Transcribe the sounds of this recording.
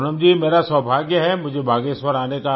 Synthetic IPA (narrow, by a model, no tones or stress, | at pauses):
nəmd͡ʒiːmeːɾasəbʱaːɡjəɦɛmʊd͡ʒʱebʱaːɡeswəɾaːneka